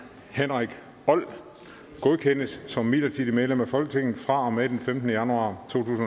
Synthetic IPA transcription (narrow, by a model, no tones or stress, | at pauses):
henʁaɡ̥ | ɒ̽l̰ | ɡ̥o̝ðˠkʰen̰əsːɒ̽mːiːlɐt͡sʰid̥imeð̞ˠlemæfɒ̽lɡ̥ət͡sʰe̝ŋ̰n̩fʁɑ̈ɒ̽med̥enfemd̥nəjænuɑ̈t͡sʰo̝̰ːt͡sʰṵːsn